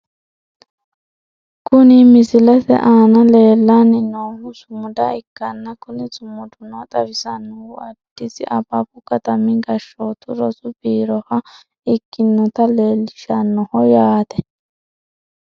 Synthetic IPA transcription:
kʊnɪmɪsɪlɛt̪ɛ̰ʔaːnɐle̞ːlːanɪnoːmʊsʊmʊd̪ɐɪkːɐnːɐkʊnɪt͡sʼʊmʊd̪ʊnot̪ʼɐbɪsɐnːʊɐd̥ːɪsɪʔɐbɐpʊkɐt̪ɐmɪɡɐʃːoːt̪ʊɾɔsʊbiːɾɔhɐ | ɪkːɪnːɔt̪ɐleːlːɪʃɐnːɔhɔjaːt̪ɛ

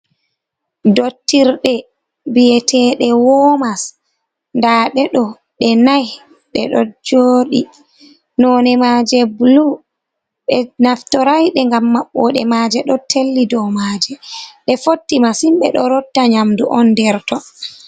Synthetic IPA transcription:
dotːiɾɗɛ | bijɛtʰɛːɗɛwɔmas | ndaːɗɛɗɔ | ɗɛnaj | ɗɛ̰ɗɔd͡ʒoːɗi | nɔnɛmaːd͡ʒɛblu | ɓɛnaftɔɾajɗɛŋɡamːaɓːɔɗɛ̰maːd͡ʒɛɗɔtʰelːidɔmaːd͡ʒɛɗɛfotːimasimɓɛɗɔɾɔdːaɲamduʔɔndɛɾtɔ

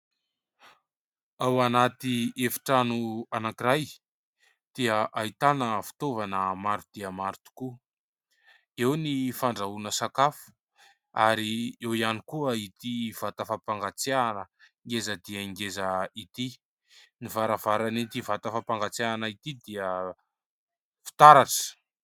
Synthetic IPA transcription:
awanat̪iefi̥ʈ͡ʂanuanakiɾaj | d̪̥iəʔait̪anəfi̥t̪ovanəmaɾd̪̥iəmaɾt̪u̥ku | ewnifaɳɖ͡ʐaunəsakafu̥ | a̰ɾiewianikuəit̪iv̥at̪əfapaŋɡat͡sianəŋɡezəd̪iəiŋɡezəit̪i | nivaɾav̥aɾanit̪ivat̪afapaŋɡat͡sianəit̪id̪iə | fi̥t̪aɾaʈ͡ʂə̥

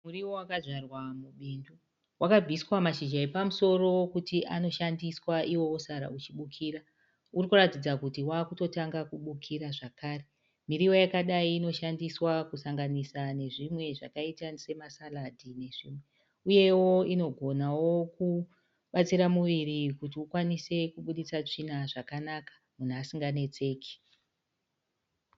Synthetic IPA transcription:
muriwowakaʐʷarwamuɓindu | wakab͡vʱiswamaʃid͡ʒaepamuso̞ro̞wkutiʔano̞ʃandiswaiwo̞wosaɾa̰ut͡ʃiɓukʰiːɾa | urikuratid͡zakutiwaːkuto̞taŋɡakuɓukʰiɾaʐakaːre | miɾiwo̞jakaɗaiːno̞ʃandiswakusaŋɡanisane̞ʐimwe̞ʐakaitase̞masaladʱine̞ʐḭːmwe̞ | uje̞wo̞ino̞ɡʱo̞nawo̞ku | ɓat͡siɾamuʋiɾikutiukwanise̞kuɓuɗit͡sat͡ʂin̤aʐakanakḁ | mun̤uasiŋɡane̞t͡se̞ːki̥

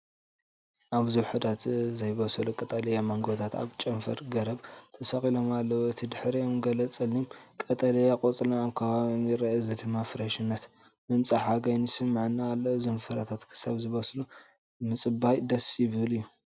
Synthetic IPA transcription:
ʔaβzɨwħɨd̪at̪zɐjβɐsɐlukʼɐt̪ʼɐlɐjamɐŋɡot̪ʰat̪a̰βt͡ʃʼɐmfɐ̰ɾɡɐɾɐβt̪ʰɐsɐkʼilo̞malːɐwoɨt̪ʰid̪ɨħɾijomɡɐlɐt͡sʼɐlimkʼɐt̪ʼɐlɐjakʼot͡sʼlaaβkʰɐβaβmjɪɾɐɐzɨd̪ɨmːafɨɾɐʃɨnːɐt̪ | mɨmt͡sʼaħaɡajnisɨmːʕnːaːlːɐzɨmfɐɾat̪ʰat̪kʰɨ̥saβzɨβɐslu | mɨt͡sʼɨbajd̪ɐsjɪβɨɨlɨjːu

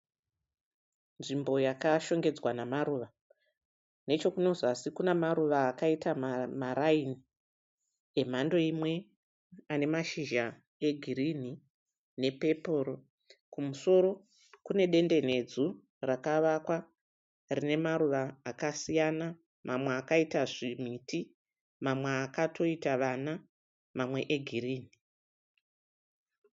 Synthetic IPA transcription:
nʐimbo̞jakaʃo̞ŋɡe̞d͡zwanamaɾuːʋa | ne̞t͡ʃo̞kuno̞zasikunemaɾuʋaːkaitammaɾaini | em̤ando̞imwe̞ | ane̞maʃiʒa | e̞ɡʱiɾin̤i | ne̞pe̞po̞ɾo | kumuso̞ɾo̞ | kune̞ɗe̞nde̞ne̞d͡zu | rakaʋakwa | rine̞maɾuʋaːkasijana | mʔamweakaitaʐim̤iti | mamweakatʰo̞itaʋana | mamwe̞ʔeɡʱiriːni

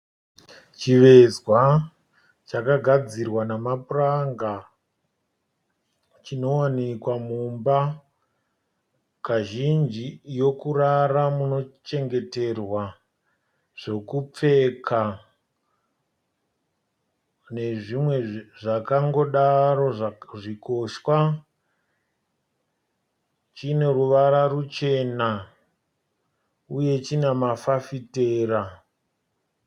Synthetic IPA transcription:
t͡ʃiʋe̞zwa | t͡ʃakaɡʱad͡zirwanamapuraŋɡa | t͡ʃino̞wanikwamumba | kaʒind͡ʒijo̞kuɾaramuno̞t͡ʃe̞ŋɡe̞te̞rwa | ʐ̥o̞kup͡fe̞kʰa | ne̞ʐimwe̞ʐakaŋɡo̞ɗaɾo̞ʐiko̞ʃwa | t͡ʃine̞ɾuʋaɾarut͡ʃe̞na | uje̞t͡ʃinemafafite̞ːɾa

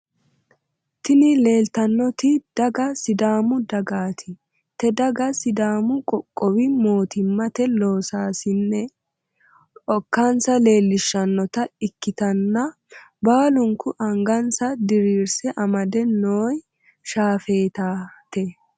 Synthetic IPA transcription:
t̪ɪnɪle̞ːlt̪ɐnːɔt̪ɪd̪̥ɐɡɐsɪd̪aːmʊd̪ɐɡaːt̪ʰɪ | t̪ɛd̪ɐɡɐsɪd̪aːmʊkʼɔkʼːɔwɪmo̞ːt̪ɪmːɐt̪ɛlo̞ːsaːsɪnːɛ | ɔkːansɐle̞ːlːɪʃːɐnːɔt̪ɐɪkːɪt̪ɐnːɐ | baːlʊŋkʊʔɐŋɡɐnsɐd̪ɪɾiːɾsɛʔɐmɐd̪ɛnːoːj | ʃaːfe̞ːt̪aːt̪ɛ

